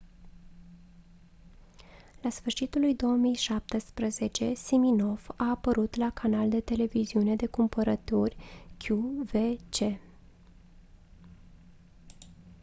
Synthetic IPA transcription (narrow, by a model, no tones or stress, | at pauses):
lasfɨrʃit̪ulujd̪o̞wəmijʃap̚t̪əspɾəze̞t͡ʃe̞simino̞vaːpəɾut̪lakʰanald̪e̞t̪e̞le̞viziune̞d̪e̞kumpəɾət̪urʲkʰʲjuve̞t͡ʃe̞